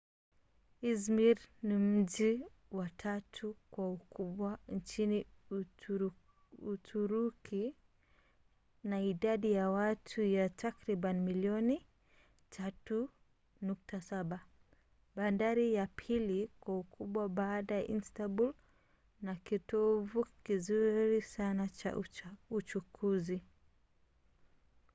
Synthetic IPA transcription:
izmiɾnim̩ʄi | watʰatʰukwaukʰuɓwant͡ʃini | utʰuɾukʰi | naiɗaɗijawatʰujatʰakɾiɓanmiliɔni | tʰatu | nuk̚tasaɓa | ɓandaɾijapʰilikwaukʰuɓwaɓaɗajaʔinstabul | nakitɔvukizuɾisanat͡ʃa̰ut͡ʃukʰuzi

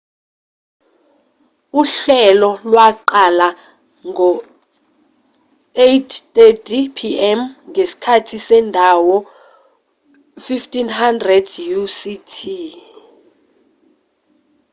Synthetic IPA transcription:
uɬɛlɔlwaǃala | ŋʱɔ | etʰtetʰʼipʰiɛmŋʱesi̥kʰatʰisɛndʱawɔ | fiftʰʼinhandrɛdjusitʰi

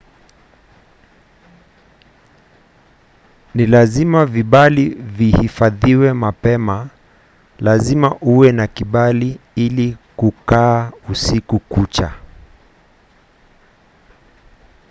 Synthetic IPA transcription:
nilazimaviɓalivihifaðiwɛmapɛma | lazimaʔuwɛnakiɓaliilikukaːusikukut͡ʃa̰

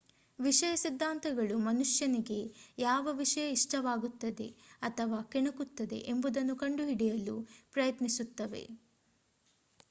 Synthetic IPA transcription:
ʋiʂɐjɐsid̪ʱːaːnt̪ɐɡɐɭumɐnuʂjɐniɡe̞jaːʋɐʋiʂɐjɐiʂʈɐʋaːɡut̪ːɐd̪e̞̰ɐt̪ʰɐʋaːkɛɳɐkut̪ːɐd̪e̞̰ʔembud̪ɐnːukɐɳɖuɦiɽijɐlupɾɐjɐt̪nisut̪ːɐʋe̞̰

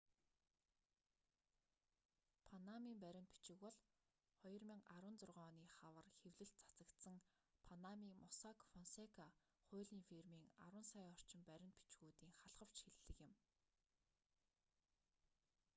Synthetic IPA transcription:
pʰanamiːmpæɾʲɪ̆mt̪pi̥t͡ɕɪ̆kwɔɮ | χɔj̆rmĭːŋaɾwə̆nt͡sʊrʁœːniːχawə̆rxewɮɘ̆ɬ̚t͡sḁt͡sə̆kt̪sə̆ŋ | pʰanamiːmɔsakfɔnsekʰa | χʊ̟ːɮiːŋfirmiːŋa̰ɾwə̆nsajɔr̥t͡ɕɪ̆mpæɾʲɪ̆nt̪̚pi̥t͡ɕɣuːt̪iːŋχaɮʁə̆w̥t͡ɕxeɮːɘ̆kjɪ̆m

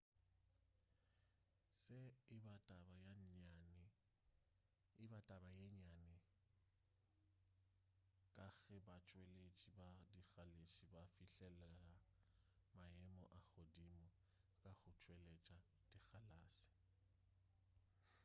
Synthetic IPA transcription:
sɪɪbatʼabajaan | ɪbatʼabajeɲanɪ | kʼaɣɛbat͡ʃʼwelet͡ʃʼibadiɣaleʃʼibafiɬɛlɛla | maɛmɔʔaɣʊdimʊ | kʼaɣʊt͡ʃʼwelet͡ʃʼa | d̥iɣalaːsɪ̥

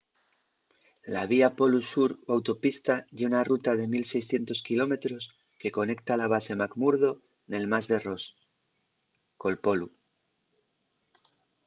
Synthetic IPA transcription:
laβiapo̞lusuɾawt̪o̞pist̪aʝeunarut̪að̞e̞milse̞jsθje̞nt̪o̞skilo̞me̞t̪ɾo̞s | ke̞ko̞ne̞kt̪alaβ̞ase̞makmuɾðo̞ | ne̞lmazðe̞ro̞s | ko̞lpo̞lu

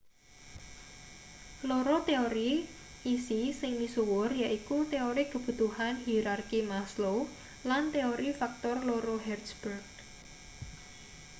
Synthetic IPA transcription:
loɾot̪eoɾiː | sisɪŋmisuwʊrjaʔikut̪eoɾikəb̥ṳt̪uhanhiɾarkimaslo | lant̪eoɾifak̚t̪ɔrloɾoɦɛrd̪sb̥ɛrɡ̚

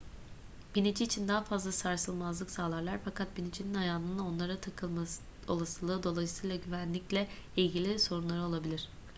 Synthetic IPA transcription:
b̥inid͡ʒʰiːt͡ʃʰind̪aːafazlˠasaɾsɯlˠmazlˠɯksaːlˠaɾlˠaɾfakʰat̪̚binid͡ʒʰininajaːnˠɯnao̞nlˠaɾat̪ʰakʰɯlˠma | o̞̰lˠasɯlˠɯːd̪o̞lˠajisɯjlˠaɟyvænlʲiclʲɛilʲɟilʲiso̞ɾunlˠaɾɯo̞lˠabilʲiɾ̥

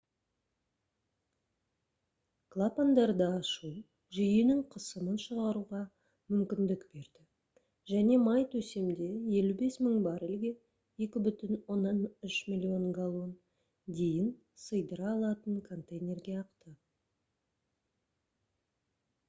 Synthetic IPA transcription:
klˠapand̪ɑɾd̪ɑɑʃuw | ʒʏjɪnɪŋqʰəsəmənʃəʁɑɾuʁɑ | mʏmkʲɪnd̪ɪkbe̞ɾd̪̥ɪ | ʒæne̞mɑjt̪ʰɵse̞md̪e̞je̞lube̞sməŋbɑɾɪlɡʲe | e̞kʲɪbʏt̪ɪnwo̞nːɑnʏʃmʲilʲio̞ŋɡalˠon | d̪e̞jɪn | səjd̪əɾɑlˠɑt̪əɴkʰo̞nt̪ejnʲe̞rɡʲe̞ɑqt̪ə

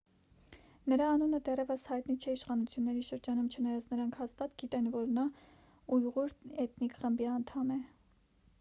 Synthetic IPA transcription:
nəɾɑːnunəd̪ɛrɛvəshɑjt̪nit͡ʃʰɛiʃχɑnut͡sʰjunːɛɾiʃəɾd͡ʒɑnumt͡ʃʰənɑjɑt͡snəɾɑŋkʰhɑst̪ɑt̪ɡit̪ɛnvɔɾnɑ | ujʁuɾɛt̪nikχəmbiɑnt̪ʰɑmɛ

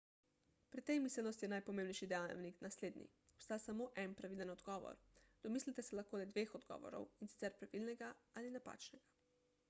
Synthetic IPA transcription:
pɾit̪ːɛjmislɛnɔst̪jɛnajpɔmẽːmbnɛjʃid̪ɛja̰wniknasleːd̪nḭ | ɔpst̪aːsamoʔɛnpɾaʋilənɔd̪ɡɔːʋɔ̰ɾd̪̥ɔmislit̪ɛsɛlaxkoːd̪ajd̪ʋexɔd̪ɡɔ̰ːʋɔ̰ɾɔ̰winsi̥t̪sɛɾpɾaʋilnɛɡaalinapa̰ːt͡ʃnɛɡa

